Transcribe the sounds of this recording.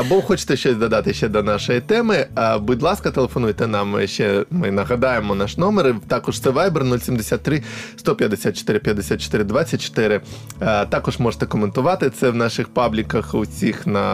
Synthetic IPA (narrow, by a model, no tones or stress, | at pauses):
ɐbɔxɔt͡ʃɪ̥t̪ɛʃt͡ʃɔzʲd̪ɐd̪ɑt̪ɪʃt͡ʃɛd̪ɐnɑʃɔjit̪ɛmɪbʊdʲlˠɑskɐt̪elˠefɔnujt̪ɛnɑmʃt͡ʃɛmɪnɐɦɐd̪ɑjemɔnaʂnɔmeɾɪt̪ɑkɔʐt̪sɛʋajbɛrnulʲsʲimd̪esʲat̪ːɾɪst̪ɔpʲjɐd̪esʲat̪̚t͡ʃo̥t̪ɪɾɪpʲjɐd̪esʲat̪̚t͡ʃo̥t̪ɪɾɪd̪ʋat͡sʲːɐt̚ʲt͡ʃo̥t̪ɪɾɪ | t̪ɑkɔʐmɔʐe̥t̪ɛkɔment̪ʊʋɑt̪ɪt̪sɛʋnɑʃɪxpɑblʲikɐxʊsʲixnɐ